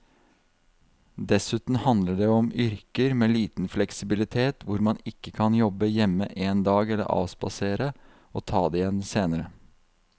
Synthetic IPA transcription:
d̪ɛsʉːt̪n̩hɑnd̪ləɖeːɔmʏɾkəɾmeːliːt̪n̩flɛksɪbɪlɪt̪ʰeːt̪ʋʊɾmɑnɪkːəkʰɑnjɔbəjɛmːəʔeːnd̪ɑːɡɛlːə̰ɾʔɑ̰ːsbɑ̰seːɾə | ʔoːt̪ʰɑːd̪eːɪjɛnːseːnəɾə

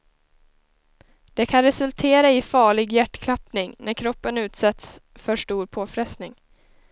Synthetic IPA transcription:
d̪̥ɛkʰanɾɛsɵlt̪ʰeːɾaɪfɑːɭɪɡjæʈːkʰlapnɪŋnæɾkʰɾɔpːənʉ̟ːt̪sɛt̪s | fœʂʈuːɾpʰoːfɾɛsnɪŋ

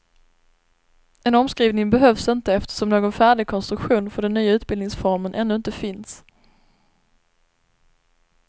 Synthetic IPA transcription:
ɛnɔmskɾiːvnɪŋbɛɦœvsɪnt̪əɛft̪ə̥ʂɔmnoːɡɔnfæːɖɪɡ̚kʰɔnst̪ɾɵkɧuːnfœɖɛnːyːaʉ̟ːt̪̚bɪld̪ɪŋsfɔɾmənʔɛnːɵɪnt̪əfɪns

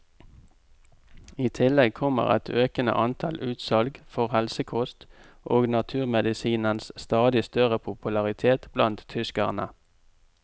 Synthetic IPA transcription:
iːt̪ʰɪlɛɡ̚kʰɔmə̰ʁɛ̰t̪ʰøːkənə̰ʔɑnt̪ʰɑlʉːt̪sɑlɡfɔʁhɛlsəkʰʊst̪ | ʔoːɡnɑt̪ʰʉːʁmɛd̪ɪsiːnənsst̪ɑːd̪ɪst̪œʁəpʰʊpʉlɑʁɪt̪ʰeːt̪b̥lɑnt̪t̪ʰʏskəʁnə̰

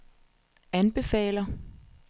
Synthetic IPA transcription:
ænb̥e̝fɛ̰ːlɐ

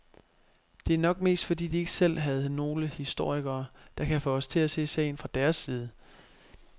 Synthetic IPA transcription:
d̥e̝æɐnɒ̽ɡ̥̚me̝̰ːsd̥fɒ̽d̥ḭːd̥ie̝ɡ̥əsel̰ɦæð̞̩ˠno̝ːləhisd̥o̝ɐ̰iɡ̥ɐːd̥ɑ̈kʰæfɔɒst͡sʰe̝læse̝̰ːsɛ̰ɪnfʁɑ̈d̥æɐsːiːð̞̩ˠə

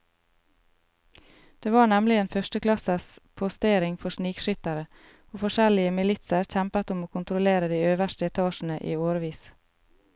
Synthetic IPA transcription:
d̪̥eːʋɑːɳɛmlɪeːnfœʃtəklɑsəspʰʊst̪eːɾɪŋfɔʃniːkʃʏt̪əɾə | oːfɔʃɛlɪəmɪlɪt̪səɾçɛmpət̪ʊmoːkʰʊnt̪ɾʊleːɾəd̪iːøːʋəʃtəɛt̪ʰɑːʃn̩əʔiːoːɾʋiːs

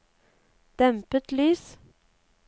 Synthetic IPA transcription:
d̪̥ɛmpət̪lyːs

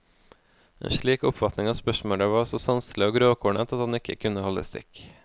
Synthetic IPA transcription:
ḛːnʃɭiːkʊpfɑt̪nɪŋɑːspœʃmoːɖ̪æʋɑːɾɔsɔsɑnslɪoːɡɾoːkʰuːɳət̪ʰɑt̪hɑnɪkʰəkʰʉnəhɔlə̰st̪ɪ̰k

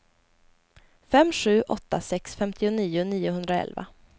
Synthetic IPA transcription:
fɛmːɧʉ̟ːʔɔt̪ːasɛksfɛmt̪ʰɪʊniːʊniːʊɦɵnd̪ɾaɛ̰lva̰

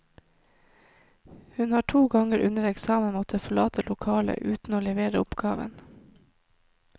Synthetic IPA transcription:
hʉnhɑːʈʰuːɡɑŋəɾʔʉ̰nəɾɛksɑːmənmɔt̪ʰəfɔɭɑːt̪ʰəlʊkʰɑːlə̰ʔʉːt̪n̩oːlɛʋeːɾəʊpɡ̥ɑːʋə̰n

